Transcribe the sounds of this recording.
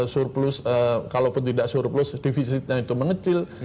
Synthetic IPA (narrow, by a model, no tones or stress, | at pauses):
surplʊsəkalopʊnt̪̬idaʔsurplʊsdifisit̪̚ɲait̪uməŋət͡ʃɪl